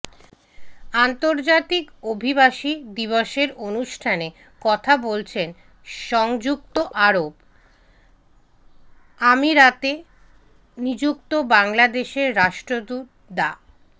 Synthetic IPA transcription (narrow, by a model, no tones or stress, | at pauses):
ant̪oɾd͡ʑat̪ikobʱibaʃid̪iβoʃeɾonuʃʈʰane | kɔt̪ʰabolt͡ɕʰen | ʃɔŋd͡ʑuk̚t̪oʔaɾob | amiɾat̪e | nid͡ʑuk̚t̪obaŋlad̪eʃeɾːaʃʈɾod̪ut̪̚ | d̪a